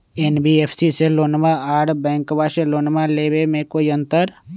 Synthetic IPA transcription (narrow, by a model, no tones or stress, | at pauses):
enbieːpʰsiseloːnmaaːɽbɛ̃ːŋkbaʃeloːnmaleːbemẽkoːiə̃nt̪əɾ